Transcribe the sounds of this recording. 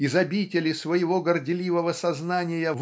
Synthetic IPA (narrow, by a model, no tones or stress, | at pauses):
ɪzɐbʲitʲɪlʲɪsvəjɪvoɡərdʲɪlʲivəvəsɐznanʲɪjəv